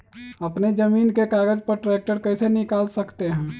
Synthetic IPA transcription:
əpned͡ʒəmiːnkekaːɡəd͡ʒpəɾʈɾeːk̚ʈəɾkəɪsenɪkaːlsəkt̪eɦɛ̃ː

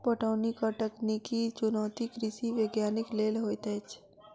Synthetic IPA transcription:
pəʈaːnikɔʈəknikit͡ʃʊnɔːt̪ikɾɪsiʋeːɡjaːnɪkleːlɦoːjt̪ɛːt͡ʃ

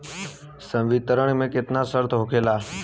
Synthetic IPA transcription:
sə̃ʋit̪əɾəɳ̃mẽːkɪt̪nasəɾt̪ʰɦokʰeːlaː

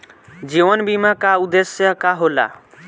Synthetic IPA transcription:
d͡ʒiʋənbimakaud̪esjəkaɦola̰

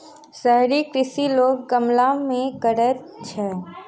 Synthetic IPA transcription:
səɦɾikɾɪsiloːɡ̚ːəmlamẽkəɾət̪̚ | t͡ʃʰɛ

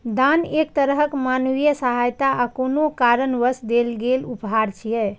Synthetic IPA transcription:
d̪anekt̪əɾəɦəkmanuwijəsəɦajt̪aakonokaɾənʋəsd̪elɡelupɦaɾt͡ʃʰijɛ

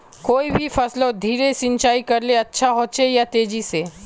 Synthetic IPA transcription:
koːibʱifɐslod̪ʱiːɾesɪ̃nt͡ʃaːikɐɾleɐtːʃʰaɦoːtsejat̪eːd͡ʒise

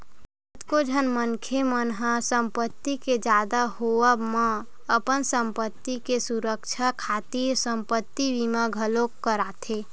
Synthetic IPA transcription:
ət̪kod͡ʒʱənmənkʰemənɦasəmpət̪ːiked͡ʒad̪aɦoəmə | əpənsəmpət̪ːikesuɾəkt͡ʃʰakʰat̪iɾsəmpət̪ːibimaɡʱəlokːəɾat̪ʰe

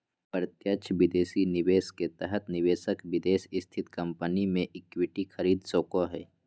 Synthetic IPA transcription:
pɾət̪jət͡ʃʰʋɪd̪eːsinɪʋeːsket̪ɛɦət̪nɪʋeːsəkʋɪd̪eːsɪst̪ʰɪt̪kɐ̃mpənimẽʔɪkwɪʈixʰəɾiːd̪soːkoɦɛ̰ː

